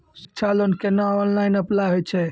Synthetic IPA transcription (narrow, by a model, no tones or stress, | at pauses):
si̥kːt͡ʃʰalonkenaɔnlajnəplaɦojt͡ʃʰɛ